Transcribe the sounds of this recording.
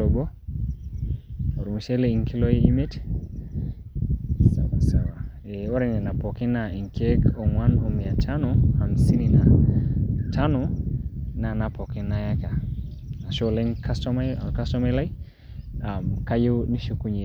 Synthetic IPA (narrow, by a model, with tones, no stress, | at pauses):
ɔ˨ɡɔ˦ | o˨ɾu˨mu˨ʃɛ˦le˨i˨ŋki˦lo˦je˦i˦me˦t | sa˨wa˨sa˨wa˨ | e˨o˦ɾɛ˨nɛ˨na˨pɔ˨ke˦na˨i˨ŋkʰe˦ko˨ŋwa˦no˨mi˨a˨tʰanɔha˨msi˦ni˨na | tʰa˦nɔ˨ | na˨na˨pɔ˨kɪ˦na˦ja˦ka˨ | na˨ʃo˦le˦ŋkastɔmaka˦stɔ˦ma˦jla˦i˦ | a˨mka˦je˦wni˦ʃo˦ku˦ɲe˨